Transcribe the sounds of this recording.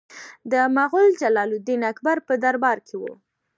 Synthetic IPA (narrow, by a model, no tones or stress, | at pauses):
d̪əmaɣʊld͡ʒalɑlud̪inakbaɾpəd̪aɾbɑɾkʰewṵ